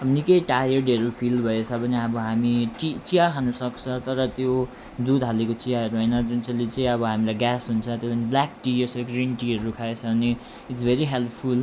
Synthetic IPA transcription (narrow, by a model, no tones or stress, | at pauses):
ʌbnikʌjʈajʌrɖeɾopʰilbʱʌet͡sʰʌbʱʌneʌbʌɦamiʈit͡sijakʰanusʌkt͡sʰʌt̪ʌɾʌt̪jo | d̪ud̪ʱɦalekot͡sijaɦʌɾuɦʌjnʌd͡zunt͡salit͡sʌĩʌbʌɦamilajɡasɦunt͡sʰʌt̪jolanblak̚ʈijʌsʌɡrinʈiɦʌɾukʰaet͡sʰʌbʱʌne | iʈsbʱeɾiɦelpʰpʰul